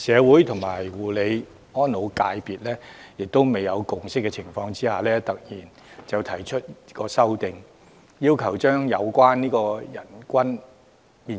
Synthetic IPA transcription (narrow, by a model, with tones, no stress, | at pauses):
sɛː˨˧wuː˨˥jt̪ʰʊ˨˩ŋmaː˨˩jwuː˨˩le˨˧j | ɔː˥nːo˨˧wkaː˧jpiː˨t̚lɛː˥jɪ˨k̚t̪o˥wme˨jɐ˨˧wkʊ˨ŋsɪ˥kːɛ˧t͡sʰɪ˨˩ŋfɔː˧ŋt͡siː˥haː˨˩lɛː˥t̪ɐ˨k̚jiː˨˩n | t͡sɐ˨˧wt̪ʰɐ˨˩jt͡ʃʰɵ˥t̚i˥kɔː˧sɐ˥wt̪ɪ˨ŋ | jiː˥wkʰɐ˨˩wt͡ʃœː˥ŋjɐ˨˧wkʷaː˥nniː˥kɔː˧jɐ˨˩nkʷɐ˥n | miː˨˧